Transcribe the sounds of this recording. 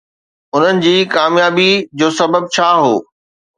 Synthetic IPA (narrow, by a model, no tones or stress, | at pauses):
ʊn̤ənɪ̆d͡ʑiːkaːmjaːbid͡ʑoːsɐbəb̚t͡ɕʰaːɦo̰ː